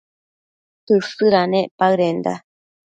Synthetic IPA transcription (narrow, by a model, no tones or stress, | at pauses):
tɯsɯɾaneʔpaɯɾend̪a̰